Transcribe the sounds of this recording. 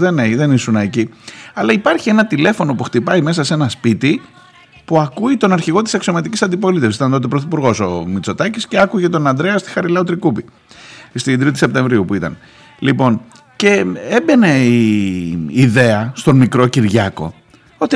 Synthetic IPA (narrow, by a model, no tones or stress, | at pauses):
ðeneiðe̞nisunɐciɐlɐipɐɾçie̞nɐt̪ile̞fo̞no̞puxt̪ipɐime̞s̬ɐse̞nɐspit̪i | puɐkuit̪o̞nɐɾçiɣo̞t̪i̥sɐksio̞mɐt̪icisɐnd̪ipo̞lit̪esit̪ɐnt̪o̞t̪epɾoθipuɾɣo̞so̞mit͡so̞t̪ɐcisce̞ɐkuʝet̪o̞nɐnd̪ɾe̞ɐst̪i̥xɐɾilɐot̪ɾikupi | st̪id̪ɾit̪ise̞p̚t̪e̞ɱvɾiupuit̪ɐ̰n | lipo̞n | ce̞ebe̞ne̞iː | ðe̞ɐst̪o̞nmikɾo̞ciɾʝɐko̞̰ | o̞t̪i